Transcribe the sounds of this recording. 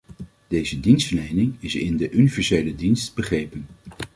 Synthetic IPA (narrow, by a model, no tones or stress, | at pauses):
d̥ejzədinstfəlɛjnɪŋɪsɪ̰ndəʔynivɛɹsejlədinstbəχrejpən